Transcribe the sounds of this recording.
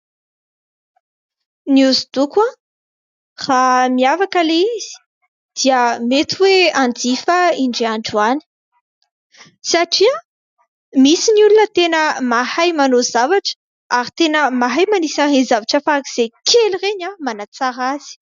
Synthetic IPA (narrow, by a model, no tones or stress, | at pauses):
niuzid̪ukã | r̥amiavakəleiz̥i̥ | d̪̥iəmet̪uweand͡zifəiɳɖ͡ʐeaɳɖ͡ʐuani̥ | saʈ͡ʂia | misinulunət̪enəmahajmanozavaʈ͡ʂə̥ | aɾit̪enəmaɦajmanisaɦezavaʈ͡ʂəfakiz̥ekʰelireɲamanat͡saɾaz̥i̥